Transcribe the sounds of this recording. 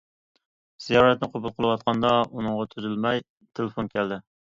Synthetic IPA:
z̥ijɑɾɛt̪nɪqʰobulˠqʰəlˠɨwɑt̪̚qʰɑnd̪ɑunɨŋʁɑt̪ʰyzylmɛj | t̪ʰelefonkʲʰɛld̪ɪ

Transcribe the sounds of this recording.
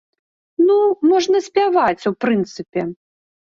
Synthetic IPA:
numɔʐnɐsʲpʲavat͡sʲupɾɨnt̪sɨpʲɛ

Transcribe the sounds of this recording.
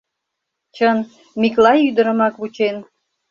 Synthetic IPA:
t͡ɕən | miklɑjyd̪əɾə̆mɑkβut͡ɕen

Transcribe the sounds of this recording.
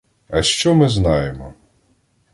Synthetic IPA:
ɐʃt͡ʃɔmɪznɑjemɔ

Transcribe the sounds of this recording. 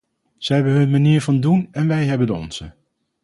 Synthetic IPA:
z̥ɛɦɛbənɦɵnmaniːɹvɑndunɛnʋɛjɦɛbəndəɔ̰nz̥ə

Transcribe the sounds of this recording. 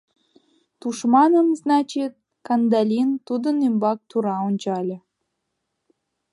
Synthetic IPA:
t̪uʃmɑnəmznɑt͡ɕit̪̚ | kɑnd̪ɑlʲint̪ud̪ənymbɑk̚t̪uɾɑonʲt͡ɕɑlʲɤ̆

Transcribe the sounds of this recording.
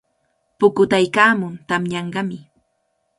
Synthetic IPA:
pʊkʊt̪ajkaːmʊnt̪amɲɑɴɢɑmɪ

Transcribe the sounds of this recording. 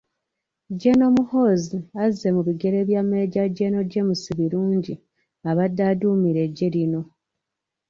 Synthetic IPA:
ɟeno̞muho̞ːziaze̞muβiɡe̞ɾe̞βjamːe̞ɟaɟeno̞ɟe̞musiβiɾuːɲɟi | aβadːaːduːmiɾe̞ɟːe̞lino̞

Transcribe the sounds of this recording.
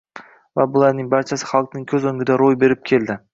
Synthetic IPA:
vabʊlˠaɾnɪŋbaɾt͡ʃʰasɪ̥χɑlˠq̚nɪŋkʲʰɵzɵŋɡʲɪd̪aɾojbe̞ɾɪp̚kʲʰe̞ld̪ɪ

